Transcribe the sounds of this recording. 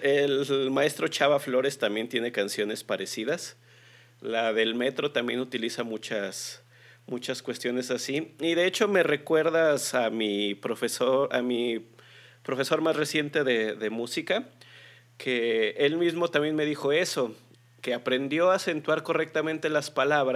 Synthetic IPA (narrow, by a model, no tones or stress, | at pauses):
elmae̞st̪ɾo̞t͡ʃaβaflo̞ɾe̞st̪ambje̞nt̪je̞nekansjo̞ne̞spaɾe̞siðas | laðe̞lmet̪ɾo̞t̪ambje̞nut̪ilisamut͡ʃas | mut͡ʃaskwe̞st̪jo̞ne̞sasiiðe̞et͡ʃo̞me̞re̞kwe̞ɾðasamipɾofesoʔa̰mi | pɾo̞fe̞so̞ɾmasre̞sje̞nt̪e̞ðe̞ðe̞musika | kʰe̞e̞lmizmo̞t̪ambje̞nmeðixo̞e̞so̞ | ke̞apɾe̞nd̪jo̞ase̞nt̪waɾko̞re̞k̚t̪amẽnt̪e̞laspalaβɾa